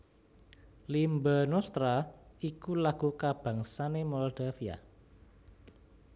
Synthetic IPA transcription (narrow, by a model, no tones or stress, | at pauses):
limbanɔst̪ɾaikulaɡ̥ukab̥a̤ŋsanemɔldafia̰